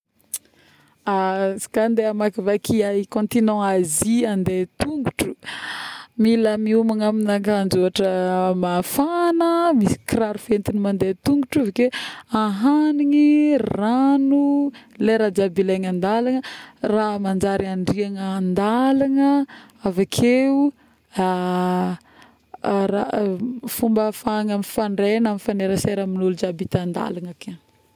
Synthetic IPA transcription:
asi̥kand̪eamakivakiaikõnt̪inɔ̃aziand̪et̪uŋɡuʈ͡ʂu̥ | milamiumaŋaminakand͡ʒoaʈ͡ʂəmafanəmisi̥kraɾufent̪inimand̪et̪uŋɡuʈ͡ʂivkeaɦaniŋiranuleɾad͡ʒabilaŋand̪alaŋəramand͡ʒaɾiaɳɖ͡ʐiaŋaːnd̪alaŋə | avakʰeu | a | rafumbəfaŋamifaɳɖ͡ʐenamifaneɾəseɾaminulud͡ʒabit̪and̪a̰laŋake

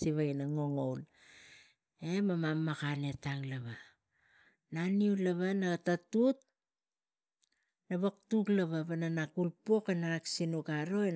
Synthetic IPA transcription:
iβajnaŋo̞ŋowl | e̞mamamːakane̞taŋlaβa | naniulaβanaɡatatut̚ | naβaktuklaβaβananakulpo̞kenaɾaksinukaɾo̞e

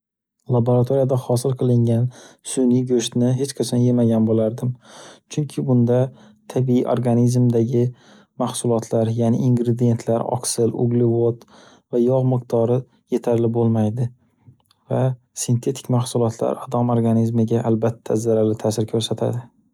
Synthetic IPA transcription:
lˠaboɾat̪ʰoɾijad̪ahɒsɪlˠqʰɨlˠɪŋɡʲansʊniɡɵʃt̪nɪɦet͡ʃqʰɑsʰanjemaɡʲanbolaɾd̪ɪmt͡ʃʰʊŋkʲʰɪbʊnd̪a | t̪ʰabiiʔo̰ɾɡanizmd̪aɡʲɪ | mahsʊlˠɒt̪ʰlaɾjanɪiŋɡɾed̪ije̞nt̪ʰlaɾɒ̰ksɪlʊ̰ɡlɪvot̪ | vajɒʁmɨq̚t̪ʰɒɾɪ | je̞t̪ʰaɾlɪbolˠmajd̪ɪ | va | sɪnt̪ʰe̞t̪ʰɪ̥kʲmahsʊlˠɒt̪ʰla̰ɾad̪ɒmoɾɡanizmɪɡʲaʔalbat̪ʰːazaɾaɾlɪt̪ʰaːsɪɾkʰɵɾsat̪ʰa̰d̪ɪ

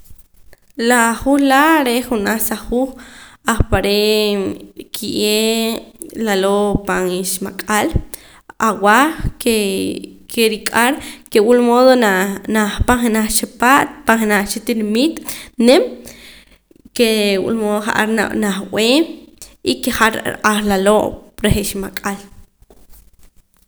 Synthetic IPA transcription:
laχuχlaɾeχunaχsaχuːχaχpaɾe | kʰiʔe | lalopaŋiʃmakʼal | awaχke | kʰeɾikʼaɾkewulmoðonanaχpaŋχenaχt͡ʃepaʔt̪̚paŋχenaχt͡ʃit̪inamit̪nem | kewṵlmoðoχa̰ʔa̰ɾnanaχw̰eːmikiχaɾɾʔaɾlaloʔɾeχiʃmakʼal

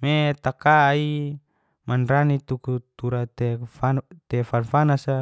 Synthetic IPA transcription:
met̪akai | manranit̪ukut̪uɾat̪ɛfat̪ɛfanfanasa

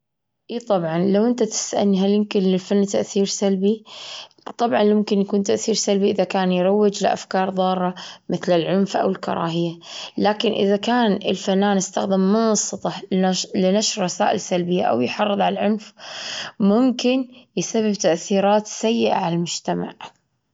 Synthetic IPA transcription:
ʔiːt̪ˤɑbʕɑnlawʔɪnt̪at̪ɪ̥sʔa̰nɦaljɪmkɪnlɪlfanːt̪aʔθiːɾsalbi | t̪ˤɑbʕɑnjʊmkɪnjakuːnt̪aʔθiːɾsalbiʔɪðakaːnjɾˤɑwːɪd͡ʒlɪʔa̰fkɑːɾˤðˤɑːɾɾːˤɑmʔɪθlɪlʕʊnfʔa̰wɪlkɑ̰ɾˤɑ̰ːɦɪjːalaːkɪnʔɪ̰ðakaːnɪ̰lfanːaːnɪst̪axd̪ɪmːʊnɑsˤːɨt̪ˤɑlɪnaʃɾɾˤɑsaːʔɪlsalbɪjːaʔa̰wjħɑrˤːɨðˤʕalalʕʊnf | mʊmkɪnjɪsabːɪb̚t̪aʔθiːɾɑːt̪sajːɪʔa̰ʕalalmʊd͡ʒt̪ama̰ʕ

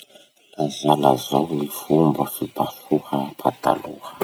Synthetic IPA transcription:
lazalazawlifumbəfibasuhəpʰat̪a̰luhə̥

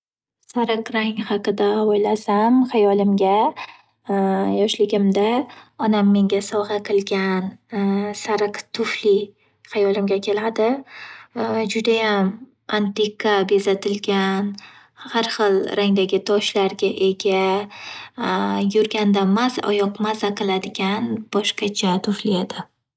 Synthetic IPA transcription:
saɾɨqɾaŋhɑqɨd̪aojlasamχajɒlɪmɡʲa | jɒʃlɪɡʲɪmd̪aɒnamːe̞ŋɡʲasɒʁɑqʰɨlˠɡʲansaɾɨqt̪ʰʊfli | χajɒlˠɪmɡʲakʲʰe̞lad̪ɪ | d͡ʒʊd̪ajam | ant̪ɪkʰabezat̪ʰɪlɡʲan | haɾχɨlˠɾaŋd̪aɡʲɪt̪ʰɒʃlaɾɡʲaʔe̞ɡʲa | jʊɾɡʲand̪amazɒ̰jɒqmazaqʰɨlˠad̪ɪɡʲanb̥ɒʃqɑt͡ʃʰat̪ʰʊflied̪̥ɪ

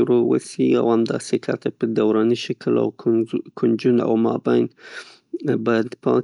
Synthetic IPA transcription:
ʊɾowa̰sia̰whamd̪ɑ̰sekʰat̪ʰapəd̪awɾaniʃakʰəla̰wkʰʊnd͡ʒuna̰wmɑbajn | bajd̪pʰɑ̃

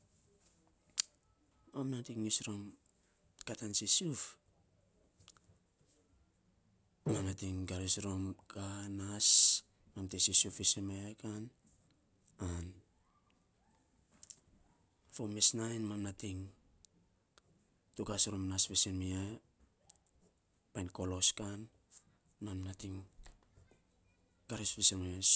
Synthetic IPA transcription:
amnatiŋisɾom | katansisuf | manatiŋɡaɾisɾomkanas | mantesisufisemeakan | an | fomesnajnmanatiŋ | tukasɾomnasfesenmia | pajnko̞lo̞skanː | annatiŋ | kaɾespisemeas

